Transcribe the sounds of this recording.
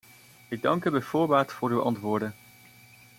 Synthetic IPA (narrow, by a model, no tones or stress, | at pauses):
ɪɡ̚dɑŋkybɛjv̥ʊːɹʋaːɹtfʊːɾywʔɑ̰ntʋʊːɹdən